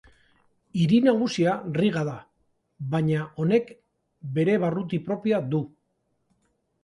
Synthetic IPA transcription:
iɾinaɣ̞usiariɣaða | βaɲao̞ne̞k | be̞ɾe̞βarut̪̬ipɾo̞piaðu

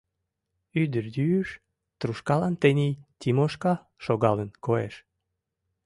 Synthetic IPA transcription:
yd̪ərd̪yyʃ | t̪ɾuʃkɑlɑnt̪enʲit̪ʲimoʃkɑ | ʃoɣɑlənkoḛʃ

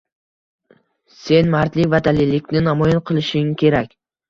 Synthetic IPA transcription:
se̞nmaɾt̪lɪvad̪alɪlːɪkʲnɪnamɒjɪnqʰɨlˠɪʃɪŋkʲʰe̞ɾakʲ

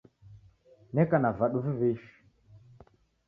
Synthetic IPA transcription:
nɛkanavaɗuvuveʃi̥

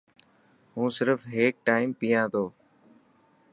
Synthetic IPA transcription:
ɦũːsɪɾfɦeːk̚ʈaːɪmpijãːt̪ʰoː

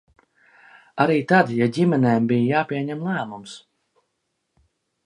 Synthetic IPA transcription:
aɾiːt̪ad̪jaɟʲimɛnɛːmbijjaːpʲiɛɲɛmlˠæːmums

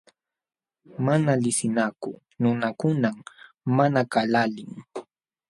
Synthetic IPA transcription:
manalɪsɪnakʊ̰ | nʊnakʊnamː | anakalalɪŋ

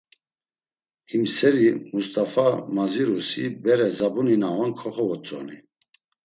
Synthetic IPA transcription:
himsɛɾimust̪ʼafamaziɾusibɛɾɛzabuninaɔnkʰɔχɔvɔt͡sʼɔ̰ni

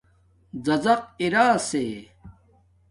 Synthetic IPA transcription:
zɐzɐq̚iɾaːseː

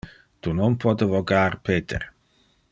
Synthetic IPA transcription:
t̪unɔnpɔd̪əvoɡaːɾpeːt̪ḛɾ

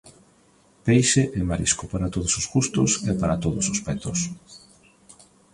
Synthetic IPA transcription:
pejʃeʔɛmaɾḭskopaɾat̪oðʊsosɣust̪ʊsepaɾat̪oðʊsospɛt̪ʊs

